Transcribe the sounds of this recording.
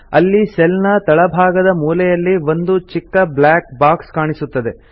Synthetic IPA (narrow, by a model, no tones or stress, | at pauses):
ɐlːisɛlnɐt̪ɐɭɐbʱaːɡɐd̪ɐmuːlɛjɐlːiʋo̞nd̪ut͡ʃikːɐblaːk̚baːkskaːɳisut̪ːɐd̪e